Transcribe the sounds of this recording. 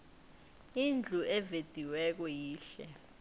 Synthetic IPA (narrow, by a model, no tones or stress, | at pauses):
ind͡ɮʱuʔɛved̥ʱiwɛk̬ɔjiːɬɛ̰